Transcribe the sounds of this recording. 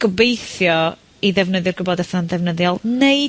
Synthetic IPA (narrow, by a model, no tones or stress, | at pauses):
ɡ̥əbejθjɔ | iðɛvnəðjʊrɡʊbɔdɛθnandɛvnəðjɔlˠnej